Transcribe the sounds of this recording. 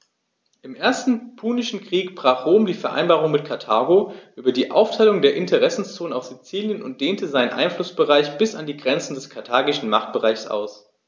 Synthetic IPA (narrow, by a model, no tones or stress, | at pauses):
ʔɪmʔeːɐstn̩pʰuːnɪʃn̩kʁ̥iːkb̥ʁ̥aːχʁ̥oːmdiːfɛɐʔa̰ɪnbaːʁʊŋmɪt̚kʰaɐtʰaːɡoʔyːbɐdiːʔa̰ʊftʰaɪlʊŋdeːɐʔɪntʰəʁɛsn̩st͡soːnənaʊsz̥it͡siːljənʊnt̚d̥eːntʰəzaɪnənʔa̰ɪnflʊsb̥əʁaɪçb̥ɪsandiːɡʁɛnt͡sn̩dɛskʰaɐtʰaːɡɪʃn̩maχt̚b̥əʁaɪçsʔa̰ʊs